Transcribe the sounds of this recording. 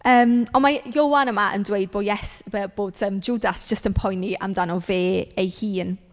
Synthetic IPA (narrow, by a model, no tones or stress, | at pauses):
əːmɔnmajowanəmaʔə̰ndwejd̚boːdjɛsbəb̥oːd̥əmd͡ʒuːdasʒ̥əstənpʰɔjnːiʔa̰mdanɔveːejhiːn